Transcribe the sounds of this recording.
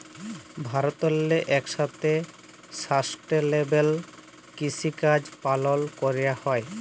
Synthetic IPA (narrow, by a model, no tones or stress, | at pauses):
bʱaɾot̪ɔlːeʔɛkʃat̪e | sasʈelebel | kisikad͡ʑpalolkoɾejahɔe